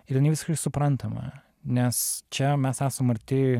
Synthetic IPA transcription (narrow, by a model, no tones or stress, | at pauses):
ɪɾjɪnɐɪʋʲɪsɪʃkɛɪsʊpɾɐnt̪ɐmɐ̰ | nʲɛst͡ʃʲɛmʲɛsæːsɐmɐɾʲt̪ʲɪ